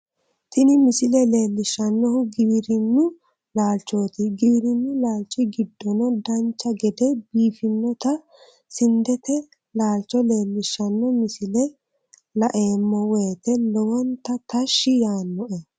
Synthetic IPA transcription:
t̪ɪnɪmɪsɪlɛle̞ːlːɪʃːɐnːɔhʊɡɪβɾɪnːʊ | laːlt͡ʃːoːt̪ɪɡiβɾɪnːʊlaːlt͡ʃːɪɡɪd̪ːɔnɔd̪ɐnt͡ʃːɐɡɛd̪ɛbiːfɪnːɔt̪ɐ | sɪnd̪ɛt̪ɛ | laːlt͡ʃːɔle̞ːlːɪʃːɐnːɔmɪsɪlɛ | lɐʔe̞ːmːɔweːt̪ɛlɔwɔnt̪ɐt̪ɐʃːɪjaːnːɔʔɛ

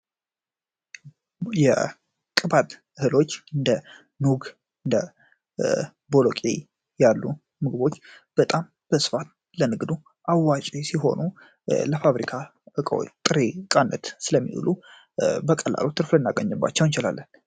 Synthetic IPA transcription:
jɛ̰ | kʼɨbat̪ | ɨhɨlo̞t͡ʃːɨnd̪ə | nuɡ | ɨnd̪ə̰ | bolokʼḛ | jalːu | mɨɡɨbo̞t͡ʃːb̥ət̪ʼam | b̥əsɨ̥fat̪̚ | lənɨɡd̪u | ʔawːat͡ʃʼesiɦo̞̰nu | ləfaβɾikʰaɨkʼəw̰t̪ʼɨɾekʼanːə̰t̪sɨləmːḭʔṵlu | bəkʼəlːa̰lot̪ʰɨɾflɨnːaɡəɲːɨbːa̰t͡ʃːɛwnt͡ʃɪla̰lːən

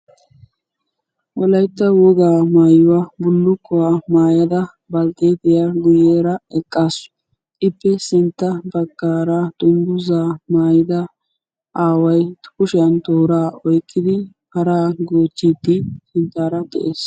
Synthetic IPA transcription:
wɔlɐjt̪ːɐwɔɡ̪aːmaːjʊwaːbʊlːʊkːɔwaːmaːjɐd̪ɐ | bɐlt̪ʼeːd̪ɪjaɡʊjeːɾɐɛkʼːaːsʊ̥ | ɪpːɛsɪnt̪ːɐbɐɡːaːɾat̪ʊmbʊzaːmaːjɪd̪ɐ | ʔaːwɐjt̪ʊ̥kʊʃɪɐnt̪oːɾaːɔjkːɪd̪ɪ | hɐɾaːɡoːt͡ʃːiːt̪ːɪsɪnt̪ːaːɾɐd̪ɛ̰ʔeːs

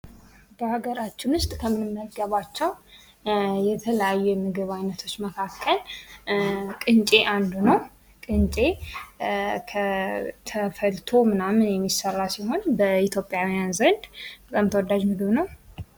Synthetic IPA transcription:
b̥əhaɡəɾat͡ʃːɪnʊst̪ʼkʰəmɨnɨmːəɡəβat͡ʃːɛw | jɛt̪ʰələjajːɛmɨɡɨβajnət̪ʰo̞t͡ʃːməkʰakʰːəl | kʼɨnt͡ʃʼe̞ʔand̪unəw | kʼɨnt͡ʃʼe̞ | kʰət̪ʰəfəlt̪ʰo̞mɨnamːɨnjɛmːisərːasiɦo̞nbəit̪ʰjo̞pʼjawijanzənd̪bət̪ʼamt̪ʰəwɔd̪ːad͡ʒmɨɡɨβnəw

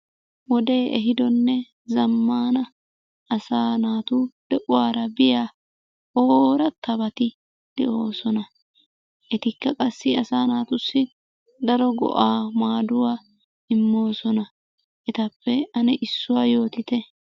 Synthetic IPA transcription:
wɔd̪e̞ːɛɦɪd̪ɔnːɛ | zɐmːaːnɐ | ɐsaːnaːt̪uːd̪̥ɛʔʊwaːɾɐbɪjaː | oːɾɐt̪ːɐbɐt̪ɪ | d̪̥ɛ̰ʔo̞ːsɔnɐ | ʔɛt̪ɪkːɐkʼɐsːɪɐsaːnaːt̪ʊsːɪ | d̪ɐɾɔɡɔ̰ʔaːmaːd̪ʊwaː | ɪmːo̞ːsɔnɐ | ʔɛt̪ɐpːɛɐnɛʔɪsːʊwaːjo̞ːt̪ɪt̪ɛ

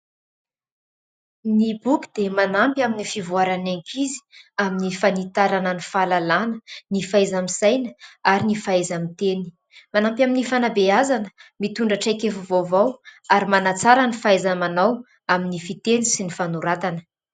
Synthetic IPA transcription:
nibuki̥d̪̥emanampʲaminifivuaɾaneŋkʰizi̥aminifanit̪aɾanənifalalanənifajzamisajnə̥aɾinifaajzamit̪eni̥ | manampʲaminifanabeazanəmit̪uɳɖ͡ʐaʈ͡ʂajkefuvovawaɾimanat͡saɾanifaajzamanaw | aminifit̪enisinifanuɾat̪anə̥

